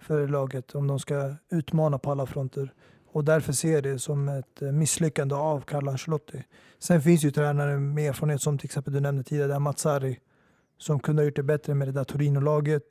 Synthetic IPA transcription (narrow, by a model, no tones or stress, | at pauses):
fœːɾlɑːɡət̪ʰɔmd̪ɔmskaʉ̟ːt̪mɑːnapʰɔalːafɾɔnt̪ʰəɾ | ɔd̪æɾfœʂeːɖɛsɔmɛt̪mɪsːlʏkːand̪əavkʰaɾlanʃlɔt̪ʰːɪ | sɛnfɪnsjɵt̪ʰɾæːnaɾəmɛeːɾfɑɾəneːt̪sɔmt̪ʰɪlɛksɛmpəld̪ɵnɛmnd̪ət̪ʰiːd̪ɪaɖmat̪saɾɪ | sɔmkʰɵnd̪əhajʊʈ̚ːɖ̪ɛbɛt̪ɾəmɛd̪ɛd̪at̪ʰʊɾiːnʊlɑːɡət̪